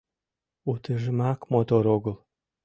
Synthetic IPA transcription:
ut̪əʒəmɑkmot̪oɾoɡəlˠ

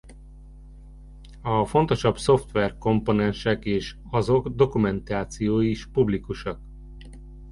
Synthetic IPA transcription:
ɒfo̞nt̪o̞ʃɒbso̞ft̪ʋɛrko̞mponɛnʃɛkeːʃ | ɒzo̞ɡd̪o̞kumɛnt̪aːt̪sijoːjiʃpublikuʃɒk

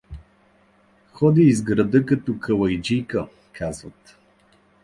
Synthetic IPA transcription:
xɔd̪iːzɡɾɐd̪əkɐt̪ɔkʰəlˠɐjd͡ʒijkə | kʰazvət̪

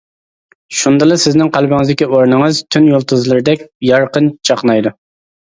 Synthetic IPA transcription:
ʃund̪ɨlˠɨsɪznɪŋqɑlˠbɪŋɨzd̪ɪkʲioɾnɨŋəzt̪ʰynjolˠt̪ʰɨzlˠɨɾɪd̪ɛkʲjɑɾqənt͡ʃʰɑqnɑjd̪u

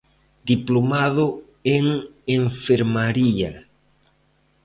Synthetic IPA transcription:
d̪iplomaðo | eŋeɱfe̞ɾmaɾia

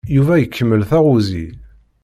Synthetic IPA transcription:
juvæjəkʰːəmːəlθæʁuzḭ

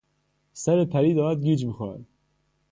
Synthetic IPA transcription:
sæɾepʰæɾiːd̪ɒːmæd̪̚ɡiːd͡ʒmixoæ̰d̪

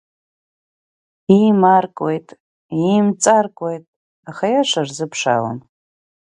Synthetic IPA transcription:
imarkʼojtʼ | imt͡sʼarkʷʼojtʼ | aχajaʂarzɨpʰʂa̰la̰n

